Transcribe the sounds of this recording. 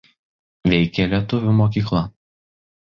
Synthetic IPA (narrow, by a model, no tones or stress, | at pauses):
ʋʲɛɪkʲɛlʲiɛt̪ʊʋʲumoːk̬ʲiːklˠɐ